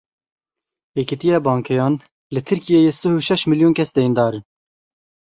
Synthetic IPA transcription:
jekit̪ijɑːbɑːŋkʰɛjɑːn | lɨt̪ʰɨɾkijejesɨhuʃɛʃmiljuːnkʰɛsd̪ɛjind̪ɑːɾɨn

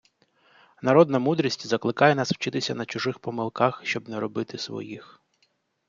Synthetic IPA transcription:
nɐɾɔd̪nɐmud̪ɾʲisʲtʲzɐklˠɪkɑjɛnɑsw̥t͡ʃɪt̪ɪsʲɐnɐt͡ʃʊʒɪxpɔmɪlˠkɑxʃt͡ʃɔbnɛɾɔbɪt̪ɪsʋɔ̰jix

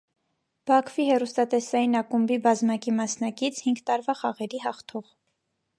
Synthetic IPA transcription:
b̥ɑkʰv̥ihɛrust̪ɑt̪ɛsɑjinɑkumbibɑzmɑkimɑsnɑkit͡sʰhiŋɡt̪ɑɾvɑχɑʁɛɾiɦɑχt̪ʰɔʁ

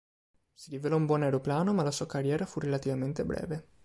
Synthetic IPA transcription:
siɾivelɔumbwɔnajɾoplaːnomalasuːakarjɛːɾafurelat̪ivament̪ebɾɛ̰ːve

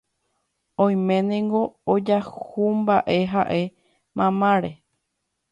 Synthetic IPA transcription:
õj̃mẽnẽŋɡo̞ːd͡ʒahumbaʔe̞ɦaʔe̞ | mãmãɾe

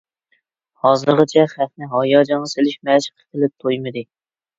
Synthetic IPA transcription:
hɒzɨɾʁɨt͡ʃʰaχæfnɪɦɒjɒd͡ʒɒnːɨselɪʃmæʃqʰɨ̥t̪ʰɨlɪp̚t̪ʰojmɪd̪ɪ

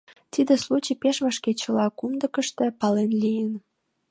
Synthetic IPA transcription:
t̪id̪eslut͡ɕipeʃβɑʃket͡ɕə̆lɑkumd̪əkəʃt̪ĕpɑlenlʲijən

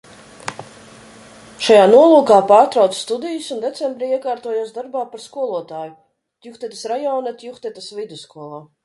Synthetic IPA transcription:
ʃajaːnuɔlˠuːkaːpaːɾt̪ɾawt̪sst̪ud̪ijusund̪et̪sɛmbɾiiɛkaːɾt̪uɔjuːsd̪aɾbaːpaɾskuɔlˠuɔt̪aːju | t̪ʲjuxt̪ɛt̪ḁsɾajɔwnat̪ʲjuxt̪ɛt̪asvid̪uskuɔlˠaː

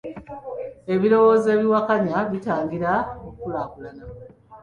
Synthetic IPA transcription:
e̞βiɾo̞wo̞ze̞ːβiwakaɲaβitaːɲɡiɾaokulaːkulana

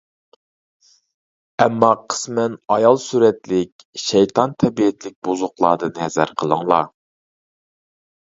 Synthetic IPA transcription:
ɛmːɑqʰə̥smɛnɑjɑlˠsyɾɛt̪lɪkʲʃɛjt̪ʰɑnt̪ʰɛbiɪt̪lɪk̚ʲbozʊqlˠɑd̪ɨnhɛzæ̰ɾqʰəlˠɨŋlˠɑ̰

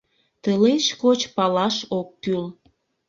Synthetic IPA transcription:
t̪əleʃkot͡ɕpɑlɑʃok̚ːyl

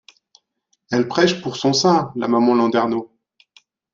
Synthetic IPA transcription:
ɛlpχɛʃpuʁsɔ̃sɛ̃la̰mamɑ̃lɑ̃d̪ɛʁno

